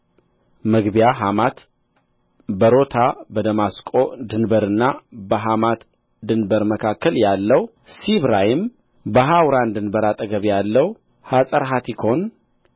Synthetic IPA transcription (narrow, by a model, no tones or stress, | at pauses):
məɡbijaɦamat̪ | bəɾo̞t̪ʰabəd̪əmaskʼo̞d̪ɨnbəɾɨnːabəɦamat̪ | d̪ɨnbəɾməkʰakːəljalːəw | siβɾajɪm | bəɦawɾand̪ɨnbəɾat̪ʼəɡəβjalːəw | hasʼəɾɦat̪ʰikʰo̞n